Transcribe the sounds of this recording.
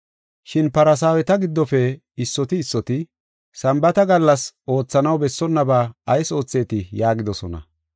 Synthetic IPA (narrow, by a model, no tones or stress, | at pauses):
ʃɪnpɐɾɐs̬aːwɛt̪ɐɡɪd̪ːɔfɛ | ɪsːɔt̪ɪːsːɔt̪ɪ | sɐmbɐt̪ɐɡɐlːɐso̞ːt͡sːɐnɐwbɛsːɔnːɐbaːɐjso̞ːt͡sːe̞ːt̪ɪjaːɡɪd̪ɔsɔnɐ̰